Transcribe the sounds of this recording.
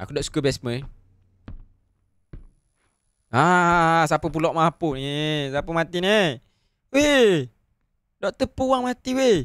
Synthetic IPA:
a̰kudɔʔsu̥kəbɛsmə | asapəpulɔʔmapunesapəmat̪ine | we | dɔʔt̪əpuwaŋmat̪iwe

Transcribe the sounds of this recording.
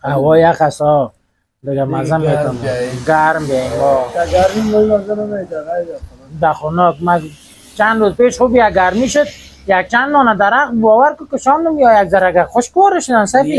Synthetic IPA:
awɔjaqasɔ | d̪ɪɡamazamːek̪ɔnəɡaɾmbeaɔɡaɾmimomazanmend̪aχɔnɔk̚ma | t͡ʃand̪ɾozpeʃχubiaɡaɾmiʃʊd̪̚ | jak̚t͡ʃand̪mɔnad̪aɾaqbbɔːwaɾkʊkɪʃɔnd̪əmjɔjaɡzaɾaɡaxʊʃkʊwɔɾəʃʊd̪ansai

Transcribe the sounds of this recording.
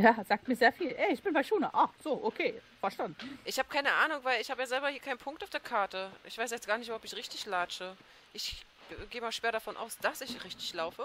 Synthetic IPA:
jaːz̥aːk̚tmiːɐzeːɐfiːlʔɛɪçb̥ɪnbaɪʃuːnɐ̰ʔaːz̥oːʔokʰeːfɛɐʃtandʔɪçhaːbəkʰaɪnəʔaːnʊŋvaɪlɪçhaːbəjaːzɛlbɐhiːɐkʰaɪnpʰʊŋk̚taʊfd̥eːɐkʰaɐtəʔɪçv̥aɪsjɛt͡stɡ̥aːɐnɪçtʊbhɔpɪçʁɪçtɪçlaːt͡ʃə | ʔɪç | ɡeːəmaːlʃv̥eːɐɾafɔnʔa̰ʊsd̥asɪçʁɪçtɪ̥çlaʊfə

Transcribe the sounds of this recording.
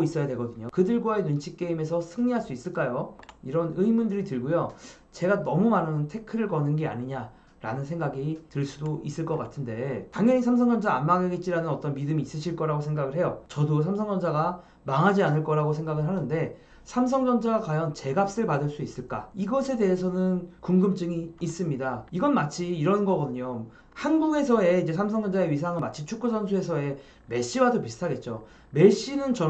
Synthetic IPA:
is͈ʌjadweɡʌdɯɲokɯdɯɭɡwaenunt͡ɕʰi̥k̚k͈e̞ime̞sʰʌsʰɯŋɲiɦaɭs͈uis͈ɯɭk͈ajoiɾʌnɯimundɯɾitɯɭɡojo | t͡ɕe̞ɡanʌmumanɯntʰe̞kʰɯɾɯɭkʌnɯnɡe̞a̰ɲiɲa | ɾa̰nɯns̬ʰe̞ŋɡaɡitɯɭs͈udois͈ɯɭk͈ʌk͈atʰɯnde̞taŋjʌɲisʰamsʰʌŋd͡ʑʌnd͡ʑaːmmaŋeɡet̚t͡ɕ͈iɾanɯnʌt͈ʌnmidɯmiːs͈ɯɕʰiɭk͈ʌɾaɡosʰe̞ŋɡaɡɯɭɦe̞jot͡ɕʌdos̬ʰams̬ʰʌŋd͡ʑʌnd͡ʑaɡa | maŋɦad͡ʑianɯɭk͈ʌɾaɡos̬ʰe̞ŋɡaɡɯɭɦanɯnde̞ | sʰams̬ʰʌŋd͡ʑʌnd͡ʑaɡakajʌnt͡ɕe̞ɡap̚s͈ɯɭpadɯɭs͈uis͈ɯɭk͈a̰iɡʌsʰe̞de̞ɦesʰʌnɯnkuŋɡɯmt͡ɕ͈ɯŋiːs͈ɯmɲidaiɡʌnmat͡ɕʰiːɾʌnɡʌɡʌdɯɲo | hanɡuɡe̞sʰʌe̞id͡ʑe̞sʰamsʰʌŋd͡ʑʌnd͡ʑaeɥisʰaŋɯmat͡ɕʰit͡ɕʰuk͈̚usʌnsʰue̞sʰʌe̞ | me̞ɕ͈iwadopisʰɯ̥tʰaɡe̞t̚t͡ɕ͈o | me̞ɕ͈inɯnt͡ɕʌ

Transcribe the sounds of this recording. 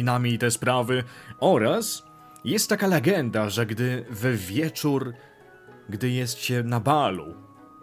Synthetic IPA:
namʲiit̪ɛspɾavɘɔɾas | jɛst̪ːakalɛɡɛnd̪aʐɛɡd̪ɘvvʲjɛt͡ʂuɾ | ɡd̪ɘjɛst̪ɕɛnabalṵ

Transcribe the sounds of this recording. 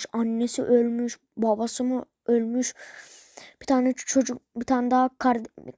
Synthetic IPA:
ʃanːesḭʔølʲmyʃ | babasɯmu | ølʲmyʃ | b̥it̪ʰant͡ʃʰod͡ʒubit̪ʰand̪akʰaɾ

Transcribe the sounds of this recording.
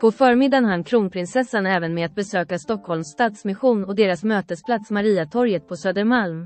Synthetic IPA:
pʰɔfœːɾmɪd̪ːanɦankʰɾuːnpʰɾɪnsɛsːanɛːvənmɛat̪̚bɛsøːkast̪ɔkhɔlmst̪ɑːt̪smɪɧuːnɔd̪eːɾasmøːt̪əspʰlat̪smaɾiːat̪ʰɔɾjət̪̚pʰɔsøːd̪əɾmalm

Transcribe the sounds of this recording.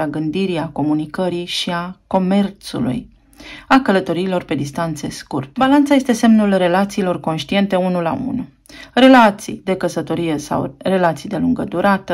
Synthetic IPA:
aɡɨnd̪iɾiako̞munikəɾiʃiako̞me̞rt̪sṵlṵj | akələt̪o̞ɾiːlo̞rpe̞d̪ist̪ant̪se̞̰skurt̪ebalant̪saje̞st̪ese̞mnulre̞lat̪siːlo̞rko̞nʃt̪ie̞nt̪e̞unula̰ṵnu | re̞lat̪sḭjd̪e̞kəsət̪o̞ɾije̞sa̰wre̞lat̪sijd̪e̞luŋɡəd̪uɾat̪ə

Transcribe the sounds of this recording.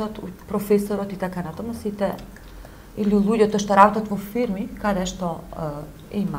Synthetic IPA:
ɔt̪upɾɔfɛsɔɾɔt̪it̪akanat̪ɔməsit̪ɛ | ilulˠujɔt̪əʃt̪əɾat̪ɔt̪məfiɾmikadɛʃt̪ɔ | ima

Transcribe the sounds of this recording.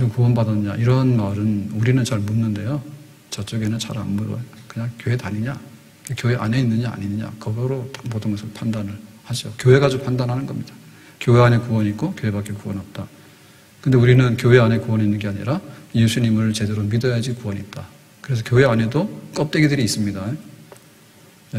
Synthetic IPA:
oŋkuwʌnbadʌnɯɲa̰ʔiɾʌɦnmaɾɯnuɾinɯnt͡ɕaɭmunːɯnde̞jo | t͡ɕʌt͡ɕ͈oɡe̞nɯnt͡ɕa̰ɾa̰nmuɾʌ̰kɯɲaŋkjoɦe̞taɲiɲa | kekjoɦe̞ʔa̰ne̞inːɯɲaa̰ɲinɯɲa̰kʌɡʌɾotḁmotʰoŋesʰɯpʰandanɯɭhaɕʰiokjoɦe̞ɡad͡ʑopʰandanɦanɯnɡʌmɲid̥ḁ | kjoɦeane̞kuwʌnik͈okjoɦe̞bak͈ekuwʌnɦat̚t͈a | kɯnde̞uɾinɯnkjoɦe̞ane̞kuwʌninːɯnɡeaɲḭɾajesʰuɲimɯɭt͡ɕe̞deɾomidʌjad͡ʑikuwʌɲit̚t͈a | kɯɾe̞sʰʌkjoɦe̞ane̞dok͈ʌp̚t͈e̞ɡedɯɾiːs͈ɯmɲida | e

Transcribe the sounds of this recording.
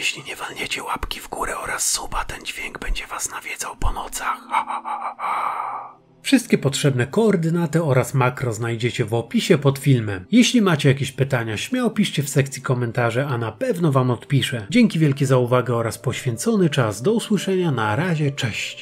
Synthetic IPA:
jɛɕlʲiɲɛvalɲet͡ɕɛwapkʲivɡuɾɛɔɾasːupat̪ɛnd͡ʑvʲjeŋɡbɛɲd͡ʑɛvasnavʲjɛd̪zawpɔnɔt̪sax | fʂɨst̪̚kʲɛpɔtʂɛbnɛkɔːɾd̪ɘnat̪ɘɔɾasmakɾɔznajd͡ʑet͡ɕɛvɔpʲiɕɛpɔt̪fʲilmɛmjɛɕlʲimat͡ɕɛjakʲeɕpɘt̪aɲaɕmʲjawpʲiʂt͡ɕɛfsɛkt̪sʲikɔmɛnt̪aʐɛanapɛvnɔvamɔt̪pʲiʂɛd͡ʑɛŋkʲivʲjɛlkʲɛzauvaɡɛɔɾaspɔɕfʲjɛnt̪sɔnɘt͡ʂasd̪ɔuswɘʂɛɲanaɾaʑɛt͡ʂɛɕt͡ɕ

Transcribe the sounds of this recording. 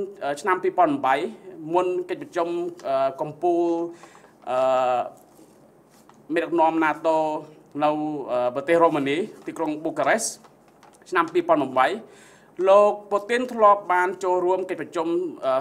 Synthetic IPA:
ʔəːt͡ɕʰnampiːpŏənmmɓəjmunkəc̚prɑt͡ɕumʔəːkɑmpuːl | ʔəː | meːɗək̚nŏəmnaːt̪oːnɨwʔəːprɑt̪eːhroːmaniːt̪iːkroŋɓoːkaɾes | t͡ɕʰnampiːpŏənmɨmɓəj | loːk̚pot̪int̪ʰlŏəp̚ɓaːnt͡ɕoːlruəmkəc̚prɑt͡ɕuməː

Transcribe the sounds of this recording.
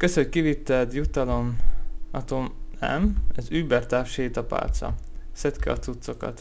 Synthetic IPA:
køsockivit̪ːɛd̪jut̪ɒlo̞nɒt̪omɛ̰mɛzyːbɛrt̪aːfʃeːt̪ɒpa̰ːlt̪sɒ̰ | sɛt̪kɛɒ̰t̪sut̪so̞kɒ̰t̪

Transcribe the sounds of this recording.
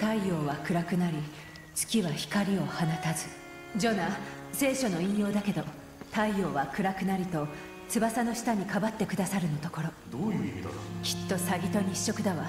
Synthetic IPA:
t̪aijo̞ːβakɯ̟ɾakɯ̟naɾʲi | t͡sɨ̥kʲiβaçi̥kaɾʲio̞hanat̪azɨ | d͡ʑo̞na | se̞ːɕo̞no̞ĩɰ̃jo̞ːd̪ake̞d̪o̞ | t̪aijo̞ːβakɯ̟ɾakɯ̟naɾʲit̪o̞ | t͡sɨbasano̞ɕi̥t̪aɲ̟ikabat̪ːe̞kɯ̟d̪asaɾɯ̟no̞t̪o̞ko̞ɾo̞d̪̥oːjiit̪o̰kʲi̥t̪ːo̞saɡʲit̪o̞ɲ̟iɕːo̞kɯd̪aβa

